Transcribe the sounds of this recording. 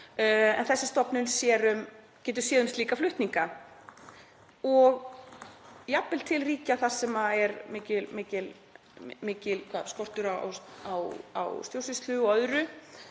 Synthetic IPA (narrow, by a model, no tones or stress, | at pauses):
ɛ̰nθɛsːɪst̪ɔpnʏnsjɛːɾʏm | cɛːt̪̬ʏɾ̥sjɛːðʏmst̪liːkaflʏht̪niŋka | ɔɣ | japːɪlt̪ʰɪlriːcaθḁsɛmaɛɾmɪːcɪlmɪːcɪl | mɪːcɪlkʰvaðskɔr̥t̪ʏɾaa̰wawa̰wst̪jowrsɪst̪lʏɔœðɾʏ